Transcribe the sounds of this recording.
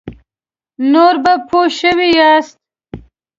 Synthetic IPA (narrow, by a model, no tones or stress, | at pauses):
noɾbapʰoʃəwijast̪̚